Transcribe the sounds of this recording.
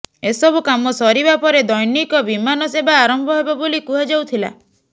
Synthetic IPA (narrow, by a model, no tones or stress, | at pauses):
esɔbukamɔsɔɾibapɔɾed̪ɔjnikɔbimanɔsebaːɾɔmbʱɔɦebabolikuɦad͡ʒawt̪ʰila̰